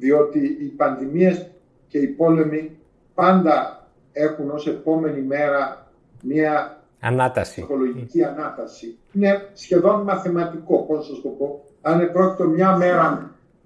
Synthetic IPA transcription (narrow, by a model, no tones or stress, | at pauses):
ðio̞t̪iːpɐnðimie̞s | ce̞ipo̞le̞mi | pɐnd̪ɐ | e̞xuno̞se̞po̞me̞nime̞ɾɐ | miɐ | ɐ̰nɐt̪ɐsixo̞lo̞ʝiciɐnɐt̪ɐsi | ine̞sçe̞ðo̞nmɐθemɐt̪iko̞possɐst̪o̞po̞ | ɐnepɾo̞ci̥t̪o̞mɲɐme̞ɾɐ